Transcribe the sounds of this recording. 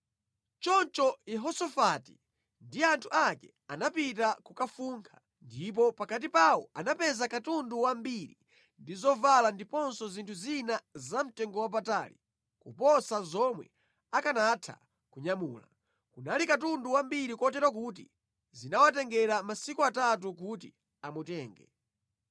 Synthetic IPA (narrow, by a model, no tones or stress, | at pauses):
t͡ʃɔnt͡ʃɔjɛɦɔsɔfati | ndiantʰuakɛ | anapit̬akukafuŋkʰḁ | ndip̬ɔpakat̬ipawɔanapɛzakatunduwambiɾḭ | ndizɔvalandipɔnsɔzintʰuzinazam̩tɛŋɡɔwap̬ata̰li | kupɔsazɔmwɛ̰ | akanatʰa̰ | kuɲamuːla̰ | kunalikatunduwambiɾikɔt̬ɛɾwak̬uːt̬i | zinawat̬ɛŋɡɛɾamasikuatat̬uk̬utḭ | amutɛːŋɡɛ